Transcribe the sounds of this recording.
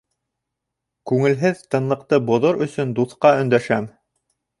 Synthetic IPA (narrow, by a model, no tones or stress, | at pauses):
kʉŋɘ̆lɦɘðt̪ɤ̆nlˠɤ̆qt̪ɤbŏðoɾɵ̆sɵnd̪uθqɑɵ̆nd̪æʃæm